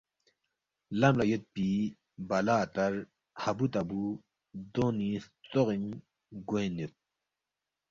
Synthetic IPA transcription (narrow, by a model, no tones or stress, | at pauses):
lamlajət̪̚pi | balat̪ar | habut̪abu | d̪oniht͡soʁin | ɡenet̪̚